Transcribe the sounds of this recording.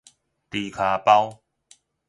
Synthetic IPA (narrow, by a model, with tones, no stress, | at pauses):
t̪i˨˩kʰa˨˩pa˦w